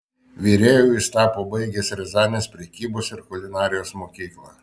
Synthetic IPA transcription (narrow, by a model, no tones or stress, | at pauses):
ʋʲiːɾʲeːjuːɪst̪ɑːpoːbɐɪɡʲeːsɾʲɛzɑːnʲeːspʲɾʲɛkʲiːboːsɪɾkʊlʲɪnɑːɾʲɪjoːsmoːkʲiːklˠɑː